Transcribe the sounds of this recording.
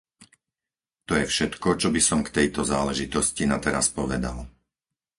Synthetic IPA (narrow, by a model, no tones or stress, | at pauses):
t̪ɔjɛfʃɛt̪kɔt͡ʃɔbisɔmkt̪ɛjt̪ɔzaːlɛʒit̪ɔscinat̪ɛɾa̰spɔʋɛd̪a̰l